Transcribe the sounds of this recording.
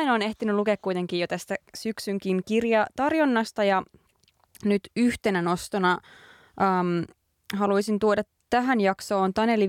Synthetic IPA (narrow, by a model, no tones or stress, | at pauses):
inoːne̞ht̪inylukeːkkuijt̪eŋkiːjot̪æst̪æsyksyŋkinkirjɑt̪ɑrjonːɑst̪ɑjɑ | nyt̪yht̪enæno̞st̪onɑ | ʔəːm | ɦɑluisint̪uodɑt̪ | tːæɦænjɑkso̞ːnt̪ɑneli